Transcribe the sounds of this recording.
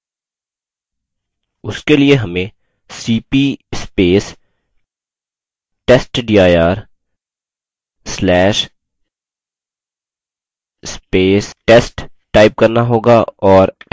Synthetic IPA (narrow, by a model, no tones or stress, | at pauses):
ʊskelieɦɐmẽ | siːpispeːs | ʈeːsʈɖiːaːjaːɾ | slɛːʃ | speːsʈeːsʈ | ʈaːɪp̚kɐɾnaɦoːɡaɔːɾ